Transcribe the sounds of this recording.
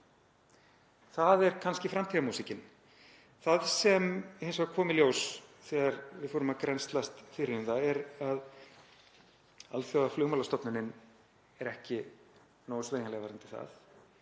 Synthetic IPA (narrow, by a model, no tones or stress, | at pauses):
θaðɛɾkʰanscɪfɾamt̪ʰiɣamuːsɪcɪn | θaðsɛmhejnsɔɣakʰɔːmɪljoːwsθɛːɣaɾvɪðfoːɾʏmaðkɾɛnst̪last̪fɪɾɪʏmθaɛɾað | a̰lθjowaflʏːɣmalast̪ɔpnɪnːɪn | ɛɾɛhcɪ | nowʏsveːjnalɛɣavaɾant̪ʰɪ̥θa̰θ